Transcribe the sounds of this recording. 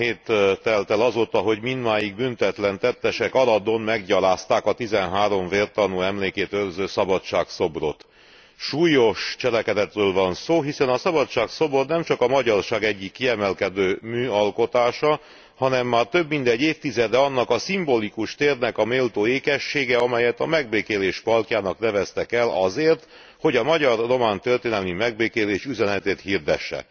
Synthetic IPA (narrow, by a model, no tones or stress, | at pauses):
eːt̪t̪ɛlt̪ɛlɒzoːt̪ɒɦo̞ɟmind̪maːjiɡbynt̪ɛt̪lɛnt̪ɛt̪ːɛʃɛkɒlɒd̪onmɛɡɟɒlaːst̪aːkɒt̪izɛnɦaːɾo̞ɱveːrt̪ɒnuɛmleːkeːt̪ørzøːsɒbɒtt͡ʃaːkso̞bro̞t̪ | ʃuːjo̞ʃt͡ʃɛlɛkɛd̪ɛt̪røːlvɒnsoːɦisɛnɒsɒbɒtʃaːkso̞bornɛmt͡ʃɒkɒmɒɟɒrʃaːɡɛɟːikːiɛmɛlkɛd̪øːmyːɒlko̞t̪aːʃɒ | hɒnɛmːaːrt̪ø̞bmind̪ɛɟːeːft̪izɛd̪ɛɒnːɒkɒsimbolikuʃt̪eːrnɛkɒmeːlt̪oːeːkɛʃːeːɡɛɒmɛjɛt̪ɒmɛɡ̚beːkeːleːʃpɒlkjaːnɒknɛvɛst̪ɛkɛlɒzeːrt̪ | ho̞ɟɒmɒɟɒrːo̞maːnt̪ørt̪eːnɛlmimɛɡ̚beːkeːleːʃyzɛnɛt̪eːt̪hird̪ɛ̰ʃːɛ̰